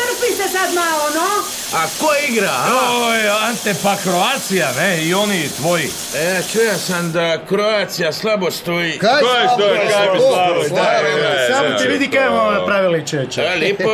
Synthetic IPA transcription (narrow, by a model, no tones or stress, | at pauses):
t̪r̩pisesad̪malono | akoiɡɾaoant̪epakɾoat̪sijaneionit̪ʋoji | eat͡ʃujasamd̪akɾoat̪sijaslˠabost̪ojikojest̪okaislaboaasamot̪iʋid̪ikaemoapɾaʋilit͡ʃet͡ʃalipo